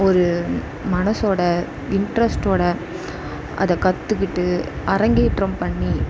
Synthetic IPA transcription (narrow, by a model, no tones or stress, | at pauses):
ɔɾɯ | mɐnɐsoːɽɐ | ɪɳɖɾɐsʈoːɽɐ | ʔɐ̰ðɐkɐt̪ːɯkːɪʈːɯ | ʔɐɾɐŋɡeːʈɾɐmpɐɳːi